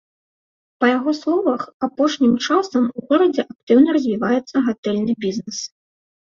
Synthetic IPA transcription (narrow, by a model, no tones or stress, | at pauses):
pɐjaɣɔslˠɔvɐxapɔʂnʲimt͡ʂasɐmuɣɔɾɐd͡zʲɛʔak̚t̪ɨwnɐɾɐzʲvʲivajɛt̪sːɐɣat̪ɛlʲnɨbʲiznɛs